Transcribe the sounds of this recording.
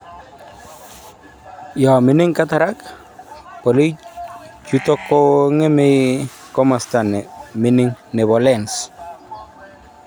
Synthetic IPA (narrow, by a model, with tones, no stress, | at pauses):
ja˨mɪ˨nɪ˦ŋkataɾa˦k | pɔ˨li˦ | t͡ʃutɔ˦kːoŋɪ˦mɪ | kɔ˦ma˨sta˨nɛ˨mɪ˦nɪ˦ŋnɛ˨βɔlɛns